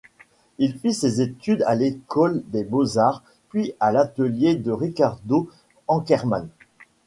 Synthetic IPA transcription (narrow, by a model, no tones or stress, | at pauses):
ilfisezet̪yd̪a̰lekɔld̪ebozaʁ | pɥialat̪əljed̪əʁikaʁd̪o | ɑ̃kʲɛʁma̰n